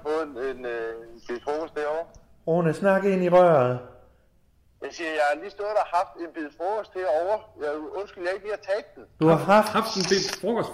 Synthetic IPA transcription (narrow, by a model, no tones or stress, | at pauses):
fɔ̽ːð̩ˠenb̥ið̰ˠfɔːɡ̥ʰɔsd̥heɐɒʊɐ | onəsnɑ̈ɡ̥e̝niʁœːɐ | jasiːɐjɑ̈ɪhɑliːsd̥ɔdɐhɑ̈fd̥e̝nb̥eðˠfɔːɡ̥ʰɔsd̥heɐɒʊɐjaɪɔnsɡ̥yljae̝ɡ̥̚liːɐt͡sʰɛːd̥̚d̥end̥uhɑ̈ɦɑ̈fhɑ̈fd̥enb̥elfɔːkʰɒsd